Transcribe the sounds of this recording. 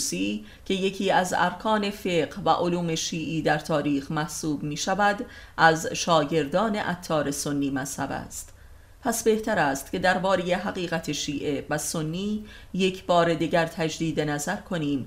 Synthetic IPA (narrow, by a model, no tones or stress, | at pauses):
siː | cʰe̞je̞cʰiːæzæ̰ɾkʰɒːne̞fe̞ːɢhvæ̰ʔoluːme̞ʃiːʔiːd̪æɾt̪ʰɒːɾiːxmæhsuːbmiːʃævæd̪ | ʔæzʃɒːɟe̞ɾd̪ɒːne̞̰ʔæt̪ʰːɒːɾe̞so̞nːiːmæshæbæ̰st̪ | pʰæsbe̞ht̪ʰæɾæːst̪ce̞d̪æɾbɒːɾeje̞ɦæɣiːɣæt̪ʰe̞ʃiːʔe̞væsonːiː | je̞cʰbɒːɾe̞d̪iɟæɾt̪ʰæd͡ʒd̪iːd̪enæzæɾkʰo̞niːm